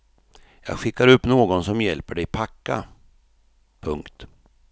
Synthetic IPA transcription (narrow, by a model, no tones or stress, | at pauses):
jɑ̰ːɡɧɪkːaɾɵpːnoːɡɔnsɔmjɛlpəɖɛjpʰakːa̰ | pʰɵŋkt̪